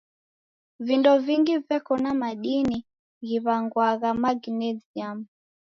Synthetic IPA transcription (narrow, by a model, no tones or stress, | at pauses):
vindɔviŋɡivɛkɔnamaɗini | ɣiβaŋɡwaɣamaɡnɛziamu